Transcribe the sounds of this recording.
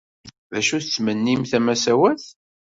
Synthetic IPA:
ðæʃuθt͡sːmənːimθæmæsæwæθ

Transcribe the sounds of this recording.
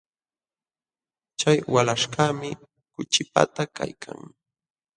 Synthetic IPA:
t͡ʃajwalaʃkaːmɪ | kʊt͡ʃɪpa̰t̪aka̰jkʰa̰ŋ

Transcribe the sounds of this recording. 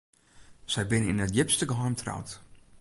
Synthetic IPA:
sɛjbɪnəɪ̰nətjɪpstəɡəɦɔjmtʰra̰wt

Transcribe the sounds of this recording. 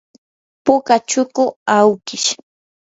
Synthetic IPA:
pʊkat͡ʃʊkʊawkɪʃ

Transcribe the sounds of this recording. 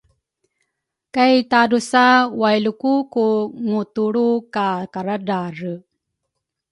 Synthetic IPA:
kajt̪adusawajlukukuŋut̪uɭukakaɾadarə

